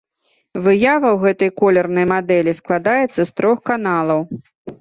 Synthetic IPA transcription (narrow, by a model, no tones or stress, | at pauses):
vɨjavɐwɣɛt̪ɐjkɔlʲɛrnɐjmad̪ɛlʲisklˠad̪ajɛt̪sːɐst̪ɾɔxkanalˠɐw